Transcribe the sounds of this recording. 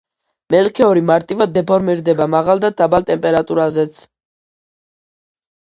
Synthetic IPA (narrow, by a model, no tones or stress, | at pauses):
mɛlkʰɛɔɾimaɾt̪ʼivad̪ːɛpʰɔɾmiɾd̪ɛbamaʁalˠd̪ad̪abalt̪ʼɛmpʼɛɾat̪ʼuɾazɛt̪sʰ